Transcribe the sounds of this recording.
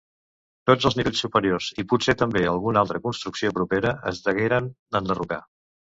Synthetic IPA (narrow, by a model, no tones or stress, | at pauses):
t̪od͡zəlˠzniβeʎsupəɾiorzipuset̪əmbeəlˠɣunalˠt̪ɾəkunst̪ɾuksiopɾupeɾəə̰zðəɣeɾənd̪ənd̪əruka̰